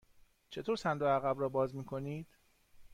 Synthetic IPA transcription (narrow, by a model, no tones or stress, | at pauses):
t͡ʃʰet̪ʰoɾsænd̪oæɣæbɾɒːbɒːzmiːkʰo̞niːd̪̥